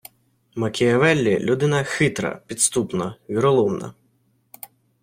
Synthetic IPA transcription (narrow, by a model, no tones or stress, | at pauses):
mɐkʲʰɪjɐʋɛlʲːilʲud̪ɪnɐxɪt̪ɾɐ̰pʲit̪st̪upnɐʋʲiɾɔlˠɔmnɐ̰